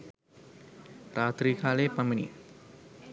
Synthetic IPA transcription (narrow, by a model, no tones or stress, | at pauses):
pɾat̪ɾikʰalepaminḭ